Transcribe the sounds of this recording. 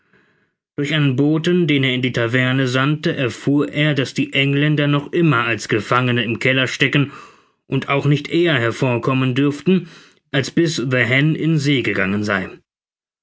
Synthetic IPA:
d̥ʊɐçʔaɪnənboːtəndeːneːɐɪndiːtʰavɛɐnəzantəʔɛɐfuːɐʔeːɐdasd̥iːʔɛŋlɛndɐnɔχʔɪmɐalsɡ̥əfaŋənəɪmkʰɛlɐʃtɛkən | ʔʊntaʊxnɪçtʔeːɐɦɛɐfoːɐkʰɔməndʏɐftn̩ | ʔalsb̥ɪsðəɦɛnɪnz̥eːɡəɡaŋənza̰ɪ

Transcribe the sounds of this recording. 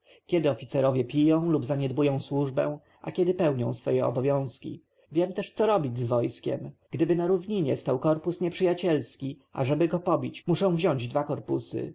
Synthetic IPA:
kʲɛd̪ɘɔfʲit̪sɛɾɔvʲjɛpʲijɔ̃w̃lubzaɲɛd̪bujɔ̃w̃swuʐbɛ̰̃w̃ | ʔa̰kʲɛd̪ɘpɛwɲɔ̃w̃sfɔjɛɔ̰bɔvʲjɔ̃w̃skʲḭ | vʲjɛmt̪ɛʂt̪sɔɾɔbʲid͡ʑʲzvɔjskʲɛ̰mɡ̥d̪ɘbɘnaɾuvɲiɲɛst̪awkɔɾpusɲɛpʂɘjat͡ɕɛlskʲi | ʔa̰ʐɛbɘɡɔpɔbʲit͡ɕmuʂɔ̃w̃vʑɔ̃ɲd͡ʑd̪vakɔɾpusɘ̰

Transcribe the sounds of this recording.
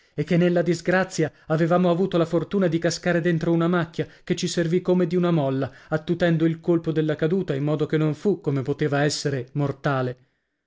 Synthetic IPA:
ekːenːelːad̪izɡɾat̪sːjaːvevaːmoavuːt̪olafort̪uːnad̪ikaskaːɾed̪ent̪ɾounamakːjaket͡ʃːiservikːomed̪iunamɔlːaat̪ːut̪ɛnd̪oilkolpod̪elːakad̪uːt̪aimːɔːd̪ok̟enːoɱfukːomepot̪eːvaɛsːeɾemort̪aːle

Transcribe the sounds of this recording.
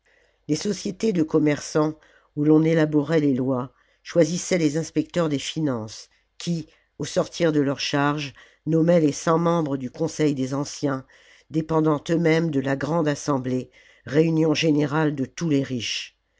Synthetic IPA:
lesɔsjet̪ed̪əkɔmɛʁsɑ̃ | ulɔ̃nelabɔʁɛlelwa | ʃwazisɛlezɛ̃spɛk̚t̪œʁd̪efinɑ̃s | kʲʰi | osɔʁt̪ʰiʁd̪əlœʁʃaʁʒ | nɔmɛlesɑ̃mɑ̃bʁəd̪ykɔ̃sɛjd̪ezɑ̃sjɛ̃ | d̪epɑ̃d̪ɑ̃t̪ømɛmd̪əlaɡʁɑ̃d̪asɑ̃ble | ʁeynjɔ̃ʒeneʁald̪ət̪uleʁiʃ

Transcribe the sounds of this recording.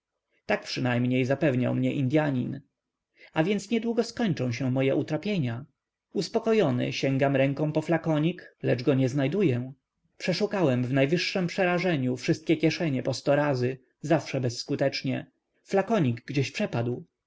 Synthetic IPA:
t̪ak̚pʂɘnajmɲejzapɛvɲa̰wmɲɛʔind̪ʲjaɲin | avʲjɛnt̪sɲɛd̪wuɡɔskɔɲt͡ʂɔ̃w̃ɕ̬ɛ̃mɔjɛʔut̪ɾapʲjeɲa | uspɔkɔjɔnɘ̰ɕɛ̃ŋɡamɾɛŋkɔ̃w̃pɔflakɔɲiklɛd͡ʐɡɔɲɛznajd̪ujɛ | pʂɛʂukawɛmvnajvɘʂːɛmpʂɛɾaʐɛɲufʂɘst̪̚kʲɛkʲjɛʂɛɲɛpɔst̪ɔɾazɘ | zafʂɛbɛsːkut̪ɛt͡ʂɲɛ | flakɔɲiɡɡd͡ʑɛɕpʂɛpad̪w

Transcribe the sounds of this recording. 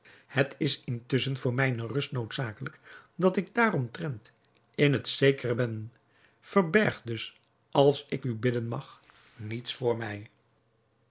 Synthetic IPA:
hətʰɪsɪntʏsənvʊːɹmɛjnərɵstnowtsaːkələkdɑtɪɡ̚daːɾɔmtrɛnt | ɪnɦətsejkərəbɛn | fəɹbɛɹχdɵs | ɑlˠsɪkybɪdənmɑχ | nitsfʊːɹmɛj

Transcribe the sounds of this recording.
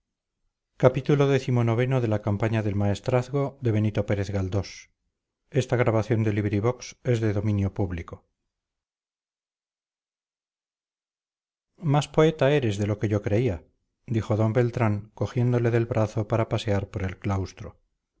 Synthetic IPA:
kapit̪ulo̞ðe̞θimo̞no̞β̞e̞no̞ðe̞lakampaɲaðe̞lmae̞st̪ɾaθɣo̞ðe̞β̞e̞nit̪o̞pe̞ɾe̞θɣald̪o̞s | e̞st̪aɣ̞ɾaβaθjo̞nd̪e̞liβɾiβo̞kse̞zðe̞ðo̞mĩnjo̞puβliko̞ | maspo̞e̞t̪ae̞ɾe̞zðe̞lo̞ke̞ʝo̞kɾe̞ia | d̪ixo̞ðo̞mbe̞lt̪ɾaŋko̞xje̞nd̪o̞le̞ðe̞lβɾʔaθo̞paɾapase̞aɾpo̞ɾe̞lklawst̪ɾo

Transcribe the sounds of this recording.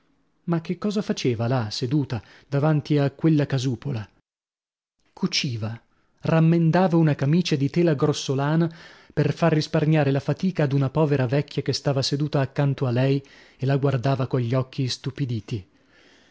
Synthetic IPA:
mak̟ːekːɔːzafat͡ʃeːvalased̪uːt̪a | d̪avant̪iakːwelːakazuːpola | kʰut͡ʃiːva | ramːend̪aːvaunakamiːt͡ʃad̪it̪ɛːlaɡɾosːolaːnaperfarːisparɲaːɾelafat̪iːkaːd̪unapɔːveɾavɛkʰʲːjakest̪aːvased̪uːt̪aːkːant̪oalːɛj | elaɡward̪aːvakoʎʎːɔkʰːist̪upid̪iːt̪i

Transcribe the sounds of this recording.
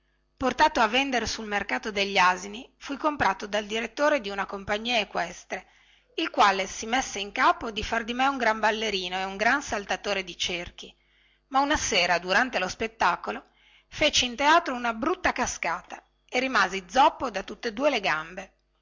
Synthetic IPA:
port̪aːt̪oavːend̪eɾesulmerkaːt̪od̪eʎːazinifujkompɾaːt̪od̪ald̪iɾet̪ːoːɾed̪iunakompaɲːiːaekwɛst̪ɾe | ilkwaːlesimesːeiŋkaːpod̪ifard̪imɛuŋɡɾambalːeɾiːnoeuŋɡɾansalt̪at̪oːɾed̪it͡ʃerk̟i | maunaseːɾad̪uɾant̪elospet̪ːaːkolo | fet͡ʃiint̪eaːt̪ɾounabɾut̪ːakaskaːt̪a | erimaːzid̪zɔpːod̪at̪ut̪ːed̪uːeleɡambe

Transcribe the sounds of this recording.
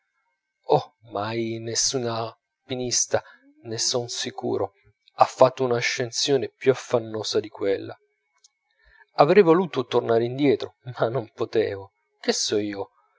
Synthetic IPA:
ɔmajnesːuːna | pinist̪a | nesonsikṵːɾo | afːat̪ːounaːʃːensjoːnepjuafːanːoːsad̪ikwelːa̰ | avɾɛjvoluːt̪ot̪ornaːɾeind̪jɛːt̪ɾomanːompot̪ɛ̰ːvo | kesːɔiːo

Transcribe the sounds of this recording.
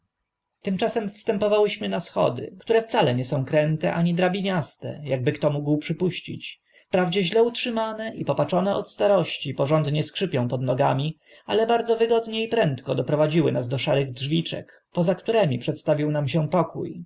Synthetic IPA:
t̪ɘmt͡ʂasɛmfst̪ɛmpɔvawɘɕmɘnasxɔ̰d̪ɘ̰kt̪uɾɛft̪salɛɲɛsɔ̃w̃kɾɛnt̪ɛʔaɲid̪ɾabʲiɲast̪ɛ̰jaɡ̚bɘkt̪ɔmuɡwpʂɘpuɕt͡ɕḭt͡ɕ | fpɾavd͡ʑɛʑlɛutʂɘmanɛʔipɔpat͡ʂɔnɛʔɔ̰t̪st̪aɾɔɕt͡ɕipɔʐɔnd̪ɲɛskʂɘpʲjɔ̃w̃pɔd̪nɔɡamʲi | a̰lɛbaɾd̪zɔvɘɡɔd̪ɲɛipɾɛnt̪kɔd̪ɔpɾɔvad͡ʑiwɘ̰nazd̪ɔʂaɾɘɣdʐvʲit͡ʂɛ̰k | pɔzakt̪uɾɛmʲipʂɛt̪st̪avʲiwnamɕɛpɔkṵj

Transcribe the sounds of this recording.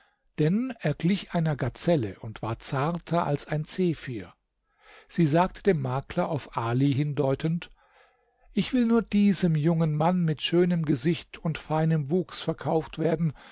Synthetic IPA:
d̥ɛnʔeːɐɡlɪçʔaɪnɐɡat͡sɛlə̰ʔʊntv̥aːɐt͡saɐtʰɐʔa̰lsaɪnt͡seːfyːɐ | z̥iːzaːk̚tʰə̥d̥eːmːaːklɐʔaʊfʔaːliɦɪndɔʏtənt | ʔɪçv̥ɪlnuːɐd̥iːzəmjʊŋənmanmɪtʃøːnəmɡəzɪçtʰʊntfaɪnəmvuːksfɛɐkʰaʊftv̥eːɐdn̩

